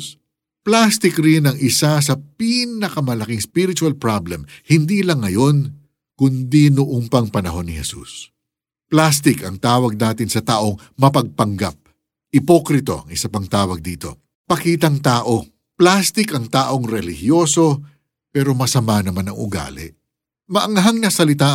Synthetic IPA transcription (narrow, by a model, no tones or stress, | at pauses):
plast̪ɪkɾɪnɐŋɪsas̬ɐpinɐkɐmɐlɐkiŋspiɾɪt͡ʃʊɐlpɹablɛmhɪnd̪iːlɐŋːɐjo̞n | kʊnd̪inʊʔoŋpɐŋpɐnɐɦo̞nːɪhɛsṵs | plast̪ɪkɐŋt̪aːwɐɡ̚naːt̪ɪnsɐt̪aːʔo̞ŋ | mɐpɐɡ̚pɐŋɡap̚ | ʔɪpo̞kɾɪt̪o̞̰ʔɐ̰ŋɪsapɐŋt̪aːwɐɡ̚d̪iːt̪o̞̰ | pɐkiːt̪ɐŋt̪aːʔo̞ | plast̪ɪkɐŋt̪aːʔo̞ŋɾɛlɪhjo̞ːso̞ | pɛːɾo̞mɐsɐmanɐmanɐŋʊ̰ɡa̰ːlɛ̰ʔ | mɐʔɐŋɐɦaŋnɐsɐlɪt̪a